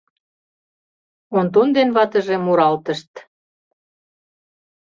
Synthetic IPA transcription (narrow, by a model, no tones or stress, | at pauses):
ont̪ond̪enβɑt̪ə̆ʒĕmuɾɑlt̪ə̆ʃt̪